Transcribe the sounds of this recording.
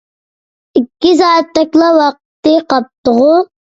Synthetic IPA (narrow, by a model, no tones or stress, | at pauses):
ikʲːizɑːt̪ːɛkʲlˠɑwɑq̚t̪ːɨqɑp̚t̪ʊʁʊ